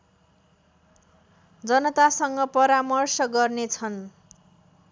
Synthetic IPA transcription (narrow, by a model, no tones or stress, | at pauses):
d͡zʌnʌt̪asʌŋɡʌpʌɾamʌrsʌɡʌrnet͡sʰʌn